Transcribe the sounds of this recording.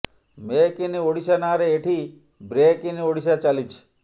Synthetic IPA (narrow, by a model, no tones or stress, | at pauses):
mekinioɽiʃanaɾeeʈʰi | bɾekinioɽiʃat͡ʃalit͡ʃʰ